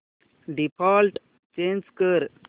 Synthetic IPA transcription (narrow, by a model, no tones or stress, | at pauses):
ɖipʰɔːlʈ | t͡ʃẽːnskəɾ